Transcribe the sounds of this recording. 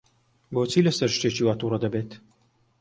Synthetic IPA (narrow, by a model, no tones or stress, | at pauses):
boːt͡siːlɐsɐɾʃt̪eːt͡ʃiwaːt̪uːrɐd̪ɐbeːt̪